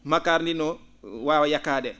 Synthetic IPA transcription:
makaːɾndinɔwawajakːaːdɛ

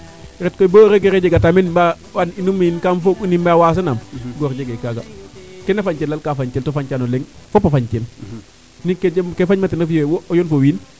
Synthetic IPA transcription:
ɾɛtkoiboɾeɡeɾed͡ʒeɡatamenba | waninumijinkamfounimbawaːs̬anamɡɔɾd͡ʒeɡekaɡa̰kenafaɲt͡ʃelːalkafaɲt͡ʃeltofaɲt͡ʃanoleŋfopːafaɲt͡ʃel | nikekefaɲmatinafijowoojonfowin

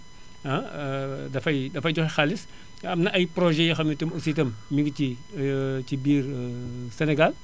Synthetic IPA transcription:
ɐ | dɐfɐjdɐfɐjɟɔxxaːlis | ɐmnɐʔɐjpɾoʒɛjɐxɐmitumositɐmmiɡti | tibiːrsenɛɡal

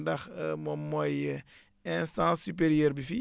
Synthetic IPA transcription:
dɐxmɔmɔj | ɛ̃sãːsːypeɾjɛːɾbifi

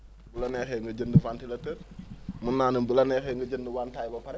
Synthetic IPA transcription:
bulɐnɛxɛŋɡəɟəndəfantilɐtəmunːaːnəmbulɐnɛːxɛːŋɡəɟəndəwaːntajbɐpɐɾɛ

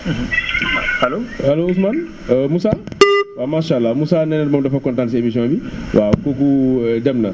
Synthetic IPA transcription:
halohalousman | musawamaʃalːamusanɛnɛdbamdafakɔ̃ntãnts̬emisijɔ̃biwʔakokudɛmna̰

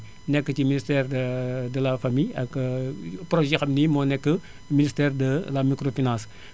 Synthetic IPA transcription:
nɛkːəciministɛːrddəlɐfamijɐk | proʒɛxɐmnimɔnɛkːə | ministɛːrdəlɐmikɾofinãːs

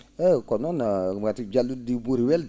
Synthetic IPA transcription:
ekononamɡatid͡ʒaludibuɾiweld

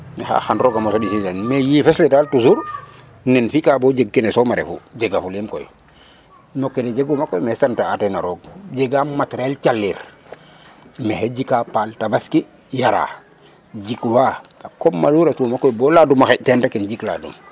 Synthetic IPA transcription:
nxa̰ːxanɾoɡamosadisitanmejifesletaltusuɾ | nɛnfikabod͡ʒeɡ̚kinesomaɾḛfṵd͡ʒeɡafuliːmko̰j | nokːened͡ʒeɡumakojmehsantaatenaɾoːɡ̚d͡ʒeɡamatɾelt͡ʃalːiɾ | meheɟikapaltabaski | jaɾa̰ː | ɟikwaakomːaluːɾatuːmakojbɔladumaxetentakinɟikla̰dṵm

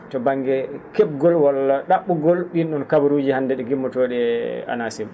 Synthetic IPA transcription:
tɔbaŋːɡɛkɛb̚ɡɔlwalɗaɓːuɡɔlɗinɗɔnkabaɾud͡ʒihandɛɗɛɡimːɔtoɗɛa̰nasim

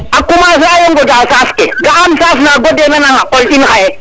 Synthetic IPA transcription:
akumasajoŋɡɔd͡ʒasaskeɡaamsas̬naɡodenanaŋaqɔltinxaje

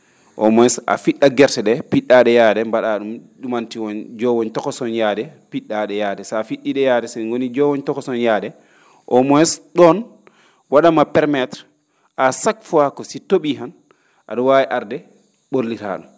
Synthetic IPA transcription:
ʔɔ̰mɔjɛsa̰fiɗːaɡɛɾtɛɗɛpiɗːaɗɛjaːɗɛmbaɗaɗumɗumantiwɔnd͡ʒɔwɔɲtɔkɔsɔnjaːdɛpiɗːaɗɛjaːdɛsafiɗːiɗɛjaːdɛsɛŋɡonid͡ʒɔwɔɲtɔkɔsɔnjaɗɛ | ʔɔmɔjɛsɗɔn | waɗamapɛɾmɛtɾ | asakfuakɔsitoɓiɦan | ʔa̰ɗɔwajiʔaɾdɛ | ɓoɾlita̰ɗṵm

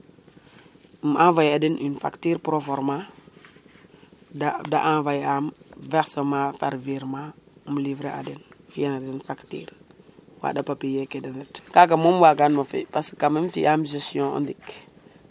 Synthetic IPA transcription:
mãvajadinʔinfa̰ktiɾpɾofoɾma | dada̰ʔãvajamveɾsomafa̰ɾviɾmamlivɾea̰denfianadinfaktḭɾwa̰ɗapapijekedenitkakamomwaɡanmafḭpaskamemfḭʔamʒesijõa̰ndik

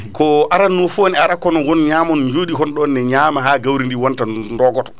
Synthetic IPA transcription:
kɔʔaɾanːufonɛaɾakɔnɔɡɔnɲaːmɔnɲd͡ʒoːɗikɔnɗɔnːɛɲaːmaɦaːɡawɾindiwɔntandɔɡɔtɔ̥

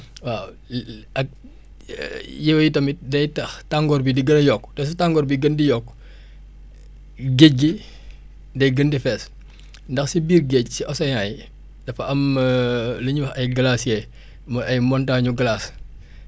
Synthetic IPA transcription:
wa | ɐk̚ | jɛwjitɐmit̚dɐjtɐxtaŋɡɔrbidiɡənɐjɔkːtɐs̬utaŋɡɔːɾbiɡəndijɔkː | ɡeɟ̚ɡi | dɐjɡəndifɛs | ndɐxsibiːrɡecsiɔsɐjaːj | dɐfɐɐm | ləɲuwɐxɐjɡɐlaːsjɛ | mɐɐjmɔntaɲuɡɐlaːs

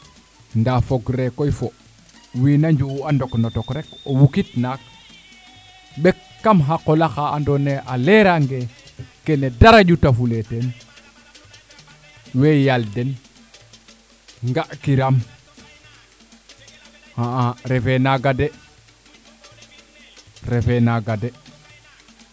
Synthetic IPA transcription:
ndafoɡɾekoifo | winaɲd͡ʒuandoknotokɾekowukitnak̚ | bekːamɦakːolaxaːndoneʔaleɾaŋɡekenedaɾaɟutafuleten | wejalden | ŋɡaʔkiɾam | haaɾefenaɡade | ɾefenaɡade

